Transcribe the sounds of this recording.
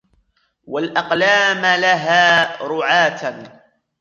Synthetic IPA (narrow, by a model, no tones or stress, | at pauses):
walʔɑqlaːmlaɦaːɾʊʕaːt̪